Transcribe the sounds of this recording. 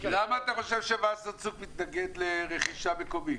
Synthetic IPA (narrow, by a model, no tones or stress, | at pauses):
lamaːt̪aχo̞ʃe̞vʃevasat͡sukmit̪naɡe̞d̪leʁeχiʃameko̞mi